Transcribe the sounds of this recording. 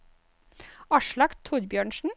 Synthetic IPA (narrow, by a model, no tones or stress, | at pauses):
ɑʃɭɑkt̪ʰʊɾbjøːɳʃn̩